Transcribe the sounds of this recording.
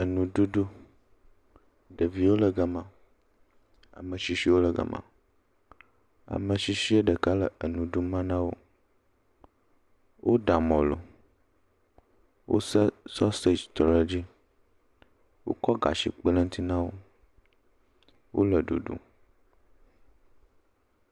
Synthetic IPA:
ə˨nũ˨ɖu˦ɖu˦ | ɖə˨vi˨wo˦lə˨ɡa˨mã˨ | a̰˨mə̃˨ʃi˨ʃi˦wo˦lə˨ɡə̰˨mã̰˨ | a̰˨mə̃˨ʃi˨ʃi˦ə˦ɖə˨ka˦lə˨ə˨nũ˨ɖu˦mã˦nã˦wo̰˦ | wʔo˦ɖa˨mɔ̃˨lo̰˨ | wʔo̰˦sə˦sɔ˦se˦d͡ʒt̪ɔ˨lə˦d͡ʑi˦ | wo̰˦kɔ˦ɡa̰˨ʃḭ˨k͡pə˦lə̃˦ŋ˦t̪ʰi˦nã˦wo˦ | wo̰˦lə˨ɖṵ˨ɖṵ˨

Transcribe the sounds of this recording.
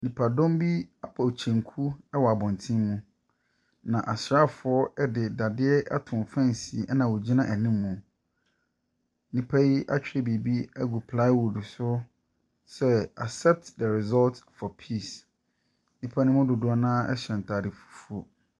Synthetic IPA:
nĩ˨pʰa˨dɔ̃˦mbi˦a˦pʰa˨o˨t͡ɕʰɛ̃˨ŋkʰu˦ɛ˦wɔ˨a˨bɔ̃˨n˨tʰĩ˦mːũ˦ | nã˨ʔa˨sɾa˦˨fʊ˨ɔ˦ɛ˦dɪ˨da˨dɪ˦ɛ˦ʔa̰˦tʰʊ̃˨fã˦n˨si˨ʔnã˨wɔ˨d͡ʑi˦nã˦ʔæ˨nĩ˦mːũ˨ | nĩ˨pʰa˦ji˦ʔa̰˦t͡ɕᶣɪ˦ɛ˨bi˨bi˦æ˦ɡu˨pʰla˦ɪ˦wu˨dɪ˨sʊ˦ | sɛ˦a̰˨sɛ˦p̚tdɛ˨ɾɪ˨zɔ˦ltfɔ˨pʰiː˦˨s | nĩ˨pʰa˦nʊ̃˦mʊ̃˦dʊ˨dʊ˦a˨˦nãː˦ɛ̰˦ɕɛ̃˨n̩˨tʰa˨dɪ˨fu̥˨fu˦o˨

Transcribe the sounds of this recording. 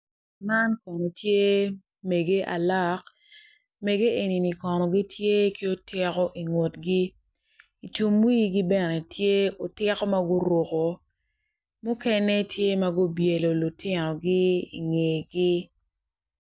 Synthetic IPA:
ma˦nkɔ˨nɔ˨tje˦ | me˨ɡe˦ʔa̰˨la˦˨k | me˨ɡe˦e˨ni˨ni˨kɔ˨nɔ˨ɡi˦tʰje˦ki˦o˦tɪ˦kɔ˦ʔi˨ŋo˨tɡi˦ | i˨tu˨mwi˦ɡi˦bɛ˦nɛ˨tʰje˦o˨tɪ˦kɔ˦ma˦ɡʊ˦ɾwo˨ko˨ | mʊ˦kɛ˦nɛ˦tje˦ma˦ɡʊ˦bje˨lo˨lu˨tɪ˦nɔ˨ɡɪ˦ḭ˨ŋe˨ɡɪ˦

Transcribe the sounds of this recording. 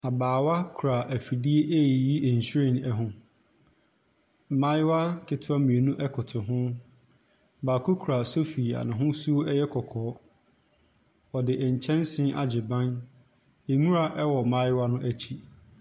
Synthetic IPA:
a˨baː˨wa˦kʰu˨ɾa˨ʔæ˨fi˨di˦e˦ʔe˦i˨ji˦ʔɛ˨ɲ̩˨ɕɾe˦˨n˨ɛ˦ɦʊ̃˨ | mã˦jwa˦kʰɪ˨tʰʊ˦a˦mĩ˨e˨nũ˦ʔɛ˦kʰʊ˨tʰʊ˨ɦʊ̃˦˨ | baː˨kʰo˦kʰɾa˨so˦fi˨a̰˨nã˨ɦʊ̃˦su˦o˦ɛ˦jɛ˦kʰɔ˨kʰɔː˨˦ | ɔ˨dɪ˨ʔɛ˨ɲ̩˨t͡ɕʰɛ̃˦nsɪ̃˦ʔa̰˨d͡ʑɪ˨bã˦n | e˨mũ˦ɾa˨ʔɛ˦wɔ˨mã˦jwa˦nʊ̃˦ʔæ˦t͡ɕʰi˦

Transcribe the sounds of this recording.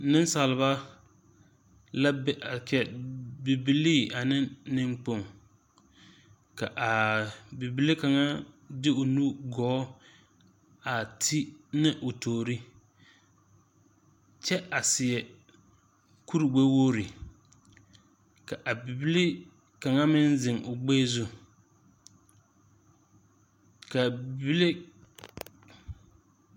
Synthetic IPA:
nɪ˦n˦sa˨lɪ˨˦βa˦ | la˦bʔa˨t͡ʃɛ˨bi˨bi˦liː˦˨a˨nɪ˦nɪ˦ŋk͡po˦˨ŋ | ka˨ʔa˨bi˨bi˦li˦ka˨ŋa˦ | dɪ˦ʊ˨nu˦ɡɔː˨˦ | a˨tʰi˦nɪ˦ʔʊ˨toː˨ɾi˦ | t͡ʃɛ˦ʔa˨sɪ˨ɛ˨ | ku˦ɾi˨ɡ͡be˦woː˦ɾi˨ | ka˨ʔa˨bi˨bi˦lɪ˦ | ka˨ŋa˦mɪ˦nzɪ˨ŋʔʊ˨ɡ͡beː˦zʊ˦ | ka˨bi˨bi˦le˦

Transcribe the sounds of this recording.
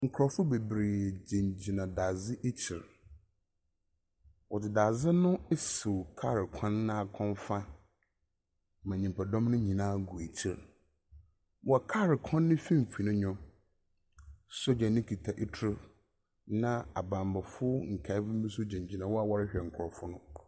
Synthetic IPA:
ŋ̩˨kʰʊ˨ɾɔ˨fʊ˦be˨bɾɪ˨d͡ʑẽ˨ɲd͡ʑi˨nã˨daː˨zɪ˦ʔe˦t͡ɕʰɪ˨ɾ | wɔ˨dɪ˨daː˨zɪ˦nʊ̃˦e˦so˨wkʰa˦˨ɾɪ˨kʰã˦nːã˦˨kʰɔ̃˦nfa˦ | mã˨ɲĩ˨mpʰa˨dɔ̃˦mnʊ̃˦ɲĩ˨nãː˦ɡʊ˨e˨t͡ɕʰɪ˨ɾ | wɔ˨˦˨kʰa˦˨ɾɪ˨kʰɔ̃˦nːɪ̃˦fĩ˦m˨fʰi˨nʊ̃˦ɲɔ̃˦ | sɔ˦d͡ʑa˨nɪ̃˦kʰi˨tʰa˨ʔi˦tʰɾʊ˦ | nã˦a˨bã˨mba˨fʊ˦ŋ̩˨kʰa˨˦bʊ˦mĩ˦sʊ˦d͡ʑẽ˨ɲd͡ʑi˨nã˨wɔ˦a˨wɔ˦ɾɪ˦ɕᶣɛ˨ŋ̩˨kʰʊ˨ɾɔ˨fʊ˦nʊ̃˦

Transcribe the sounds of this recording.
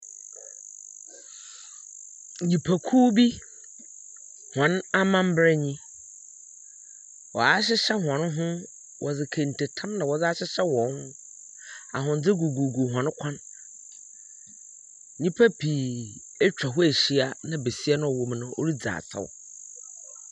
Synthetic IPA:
ɲĩ˨pʰa˨kʰuː˦bi˦ | hã˨na˦mã˦m̩˦bɾɛ˦ɲĩ˦ | wɔ˨a˦ɕ̬ɪ˦ɕɛ˦hã˨n˦ɦʊ̃˦ | wʔɔ˨d͡zɪ˨kʰẽ˨n̩˨tʰe˨tʰã˦mnã˨wɔ˨d͡zɪ˦a˦ɕɪ˦ɕɛ˦wɔ̃˨˦hʊ̃˦ | a˨ɦʊ̃˨n˦d͡zɪ˦ɡu˨ɡu˨ɡu˨ɦʷwã˨n˦kʷʰã˦n˨ | ɲĩ˦pʰa˦pʰi˨ | e˦t͡ɕᶣa˨ɦʊ˦e˨ɕi˦a˦nã˦be˨si˦ɛ˦nʊ̃˦ɔ˨wo˦m˦nʊ̃˦o̰˦ɾi˦d͡za̰ː˨sʰa̰˦w̰

